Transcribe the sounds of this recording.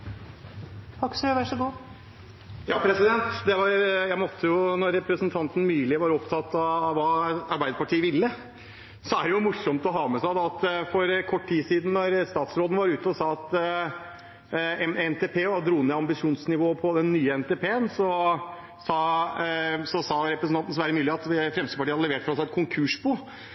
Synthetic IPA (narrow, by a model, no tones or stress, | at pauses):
t̪ɑksəʋæʈʂɔɡuː | jɑːpʰɾɛsɪd̪ɛnt̪d̪ɛʋɑɾjæɪmɔt̪ʰːəjʊnɔɾːɛpɾəsnt̪ʰɑnt̪n̩myːlɪʋɑɾɔpt̪ʰɑt̪ːɑʋɑːɑɾbæɪd̪əpɑʈʰiːəʋɪlːə | sɔæɖɛjʊmʊʂɔmt̪ɔɦɑːmɛsæd̪ɑɑt̪fɔɾkʰɔʈːt̪iːsiːd̪n̩nɔɾst̪ɑːt̪sɾoːd̪nəʋɑɾʉːt̪əɔsɑːɑt̪ | ɛɛnt̪ʰeːpʰeːɔɑd̪ɾuːnɛɑmbɪʂuːnsnɪʋoːpʰɔd̪ɛnːyːəɛnt̪eːpʰeːənsɔ | sɑː | sɔsɑːɾɛpɾəsn̩ɑnt̪n̩sʋæːɾəmyːlɪɑt̪fɾɛmst̪əpɑʈiːhɑd̪lɛʋeːʈfɾɑsæɪɛt̪̚kʰʊŋkʰʉːʂbɔ